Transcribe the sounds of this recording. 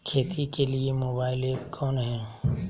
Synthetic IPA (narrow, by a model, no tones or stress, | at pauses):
kʰeːt̪ʰikeliemoːbaːɪlekʰoːnɦɛ̃ː